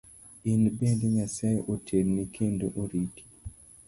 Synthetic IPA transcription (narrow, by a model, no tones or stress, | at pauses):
inbendiɲasajʔotʰeɾnikʰendoʔoɾiki̥